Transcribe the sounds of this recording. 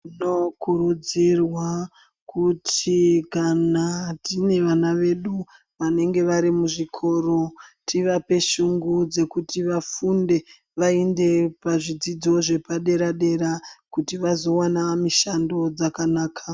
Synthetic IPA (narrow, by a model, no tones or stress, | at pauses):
inokuɾud͡zirwa | kutʰikanatine̞ʋanaʋe̞ɗu | ʋane̞ŋɡe̞ʋaɾimuʐikʰo̞ro̞tʰiʋape̞ʃuŋɡud͡ze̞kutiʋafunde̞ | ʋaende̞paʐid͡zid͡zo̞ʐe̞paɗe̞ɾaɗe̞ɾakutiʋazo̞wanamiʃando̞d͡zakanaːkʰa